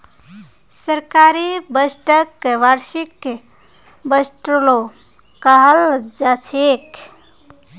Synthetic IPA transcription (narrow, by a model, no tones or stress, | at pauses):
səɾkaɾebəsʈəkːʋaɾsik | bəsʈɾolo | kaɦəld͡ʒat͡ʃʰek